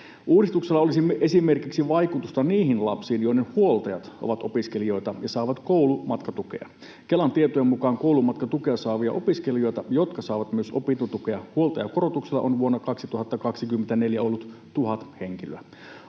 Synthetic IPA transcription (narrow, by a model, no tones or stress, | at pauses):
ʔuːdist̪ukselːɑo̞lisimːeʔe̞sime̞rkiksiʋɑjkut̪ust̪ɑniːɦinlɑ̰psiːnjo̞inehuo̞lt̪ɑjɑt̪o̰ʋɑt̪o̞piske̞lio̞jt̪ɑjɑsɑˑːʋɑt̪kowlumɑt̪kɑt̪uke̞̰ɑ̰ | kelːɑnt̪iet̪ojemmukɑːŋko̞ulumɑt̪kɑt̪ukeɑsɑːʋiɑ̰ʔo̞piskelijo̞jt̪ɑjo̞t̪kɑsɑːʋɑt̪myøso̞pint̪ut̪ukeɑhuo̞lt̪ɑjɑko̞ɾot̪ukselːɑ̰ʔonʋuonːɑkɑksit̪uhɑt̪ːɑkɑksikymːent̪æne̞ljæo̞lːut̪ | t̪uɦɑt̪heŋkiløæ